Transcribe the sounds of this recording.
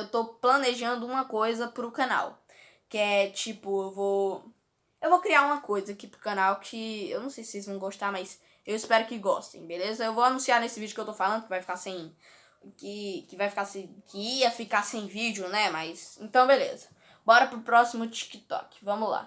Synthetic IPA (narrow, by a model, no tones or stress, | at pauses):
ewt̪owplɐ̃neʒɐ̃nd̪ʊũmɐkojzɐpɾʊkãna̰w | kɪɛt͡ʃipʊewvow | ewvowkɾiaũmɐkojzɐkipɾʊkɐ̃nawkʰɪḛwnɐ̃w̃sejsɪ̥sejzvɐ̃w̃ɡost̪amajs | ewispɛɾʊkɪɡɔ̰st̪ḛ̃j̃belezɐewvowanũsiaɾnesɪvid͡ʒʊkewt̪owfalɐ̃nd̪ʊkɪvajfi̥kasẽj̃ | kɪkɪvajfi̥kasẽj̃kɪiɐfikasẽj̃vid͡ʒjʊnɛmajsẽnt̪ɐ̃w̃belḛzɐ | bɔɾɐpɾʊpɾɔsimʊt͡ʃi̥kɪt̪ɔ̰kɪ̥vɐ̃mʊzla̰